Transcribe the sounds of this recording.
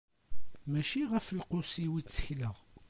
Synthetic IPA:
mæʃiʁəfəlqʊsiwit͡sːə̥çləʁ

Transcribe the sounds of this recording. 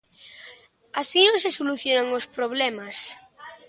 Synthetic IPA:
asinõnsesoluθjonaŋospɾoβ̞lɛmas

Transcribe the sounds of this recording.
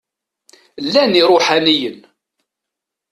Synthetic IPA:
lːæniɾˤʊħanijən

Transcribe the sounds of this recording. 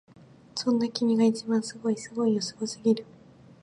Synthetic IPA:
sõ̞nːakʲimʲiɡait͡ɕibãɰ̃sɨɡo̞isɨɡo̞ijosoɡosɨɡʲiɾɯ̟

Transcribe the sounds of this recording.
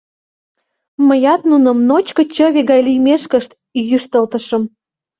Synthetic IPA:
məjɑt̪nunə̆mnot͡ɕkə̆t͡ɕə̆βeɣɑjlijmeʃkəʃt̪ | jyʃt̪əlt̪ə̆ʃə̆m

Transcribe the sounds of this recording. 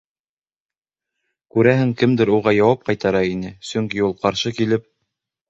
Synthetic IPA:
kʉɾæɦɘŋkɘmd̪ɘɾuʁɑjɑwɑp̚qɑjt̪ɑɾɑinɘsɵŋkiulˠqɑɾʃɤkilɘp̚

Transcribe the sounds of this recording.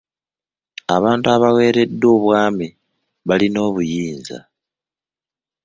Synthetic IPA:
aβaːntuaβawe̞ːɾe̞dːo̞ːβwaːmi | βalino̞ːβujiːnza̰

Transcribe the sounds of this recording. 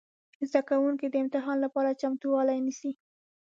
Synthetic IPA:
zd̪akawuŋkid̪əɪmt̪ɪɦɑnlapɑɾat͡ʃamt̪uwɑlajnisi

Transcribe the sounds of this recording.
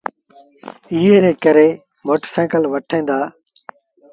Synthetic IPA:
iːɦeːɾeːkəɾeː | moːʈəsɛ̃ːkəlʋəʈʰẽːnd̪aː

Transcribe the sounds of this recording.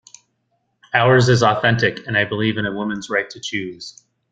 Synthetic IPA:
aʊə˞zɨzɔθɛ̃ntɨkʰɨ̃naɪbəlivɨ̃ñəwɪ̃mɨ̃nzɹaɪtʰɨt͡ʃʰʉz̥

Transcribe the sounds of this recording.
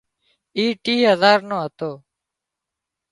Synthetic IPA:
iːʈiːɦəzaːɾnõːɦət̪oː

